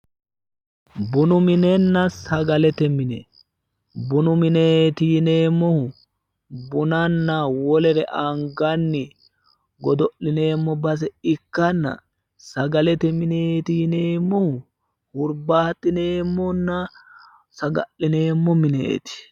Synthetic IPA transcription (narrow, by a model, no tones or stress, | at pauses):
bʊnʊmɪnɛnːɐsɐɡɐlɛt̪ɛmɪnɛ̰ | bʊnʊmɪnet̪iːneːmːɔhʊ | bʊnɐnːɐwɔlɛɾɛʔɐŋɡɐnːɪ | ɡɔd̪ɔʔlɪne̞ːmːɔbɐs̬ɛɪkːɐnːɐ̰ | sɐɡɐlɛt̪ɛmɪneːt̪iːneːmːɔhʊ | hʊɾbaːt̪ʼːɪneːmːɔnːɐ | sɐɡɐ̰ʔːɪne̞ːmːɔmɪnḛt̪ɪ̥